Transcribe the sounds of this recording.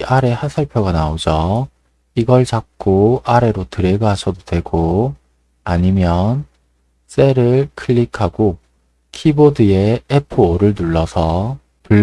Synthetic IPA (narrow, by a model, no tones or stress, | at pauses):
aɾe̞hasʰaɭpʰjoɡanaod͡ʑʌ | iɡʌɭt͡ɕak̚k͈oaɾe̞ɾotɯɾe̞ɡɯɦaɕʰʌdodwe̞ɡo | aɲimjʌn | s͈e̞ɾɯɭkʰɯʎːikʰaɡo | kʰibodɯe̞epʰɯoɾɯɭnuɭːʌsʰʌ | pɯɭː